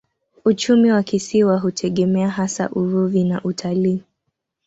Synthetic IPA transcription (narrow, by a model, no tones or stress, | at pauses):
ut͡ʃumiwakisiwaɦutʰɛɠɛmɛaɦasa̰ʔuɾuðinaʔutʰaliː